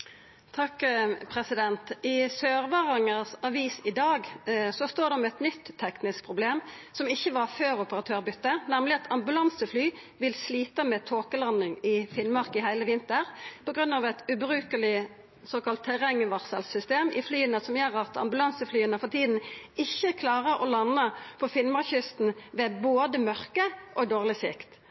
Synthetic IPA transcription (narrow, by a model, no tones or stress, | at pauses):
t̪ʰɑkpʰʁɛsɪd̪ɛnt̪ɪsøːʁʋɑːʁɑŋəsɑʋiːsɪd̪ɑːɡsɔst̪oːɾd̪ɛɔmɛt̪nʏt̪ʰːɛknɪsk̚pʰʁʊbleːmsɔmɪçːəʋɑʁføːʁʊpəʁɑt̪ʰøːʁbʏt̪ːənæmlɪɑt̪ʰɑmbʉlɑnsəflyː | ʋɪlsliːt̪əmɛt̪ʰoːkəlɑnːɪŋɪfɪnmɑʁkɪhæɪləʋɪnt̪əʁpʰɔɡʁʉnːɑʋɛt̪ʉbɾʉːkəlɪ | soːkɑlt̪ʰːɛʁɛŋːəʋɑʁsəlsʏst̪eːmɪflyːənəsɔmjøːɾɑt̪ʰɑ̰mbʉlɑnsəflyːənəfɔʁt̪ʰiːd̪n̩ɪçːəkʰlɑːʁəɾʔɔ̰lɑnːəpʰɔfɪnmɑʁçʏst̪n̩ʋɛboːd̪əmœʁkəʔɔd̪oːʁlɪsɪ̰kt̪